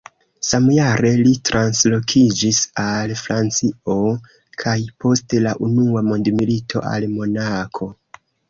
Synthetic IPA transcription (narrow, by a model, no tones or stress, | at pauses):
samjaɾe̞litɾanslo̞kʰid͡ʒisalfɾant͡sio̞ | kʰajpo̞stelaʔunuamondmilitʰo̞̰ʔa̰lmo̞nakʰo̞